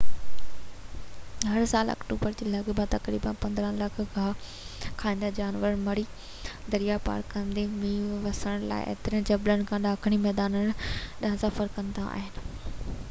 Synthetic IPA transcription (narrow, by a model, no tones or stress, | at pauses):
ɦɐɾsaːlɐ̰kʈuːbəɾd͡ʑiːlɐɠbãt̪ɐkɾḭːbənpɐ̃nd̪ɾə̃lɐkʰkaː | kʰaːĩːnd̪ad͡ʑaːnʋəɾmɐɽi | d̪ɐɾijapa̰ːɾkːɐ̃nd̪emĩːʋɐsəɽ̃la̰ːɪ̰ʔḛːt̪ɪɾiə̃d͡ʑɐblənɪ̆kʰãːɗaːkʰɪɽ̃imɛːd̪aːnənɗɐɦə̃sɐfəɾkɐ̃nd̪aa̰ːɦɪnɪ̆